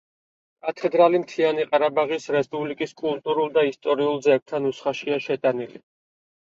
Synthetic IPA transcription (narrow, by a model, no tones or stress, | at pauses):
at̪ʰɛd̪ɾalimt̪ʰianiqʼaɾabaʁisɾɛspʼublikʼiskʼulˠt̪ʼuɾulˠd̪aist̪ʼɔɾiulˠzɛk̚t̪ʰanusχaʃiaʃɛt̪ʼanili